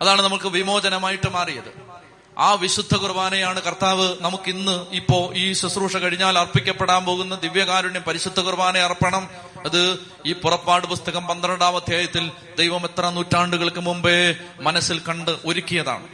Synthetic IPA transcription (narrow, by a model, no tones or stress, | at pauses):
ɐðaːɳɨnɐmːɐɭkɨʋimo̞ːd͡ʑɐnɐmaːjiʈːɨmaːrijɐðɨ̰ | aːʋiɕud̪ʱːɐkurʋaːnɐjaːɳɨkɐrt̪aːʋɨnɐmukːinːɨipːo̞ːʔiːsusruːʂɐkɐɻiɲːaːlɐrpikʲːɐpːeɽaːnpo̞ːɣunːɐd̪iʋjɐkaːɾuɳempɐɾiɕud̪ʱːɐɣurʋaːnɐjɐrpːɐɳɐm | ɐðɨ | iːpurɐpːaːɽɨpust̪ɐɣɐmpɐnd̪ɾɐɳɖaːʋɐd̪ʱjaːjɐt̪ːil | d̪ejʋɐme̞t̪rɐnuːtːaːɳɖuɣɐɭkːɨmumbemɐnɐsːilkɐɳɖɨʔoɾukʲːijɐða̰ːɳɨ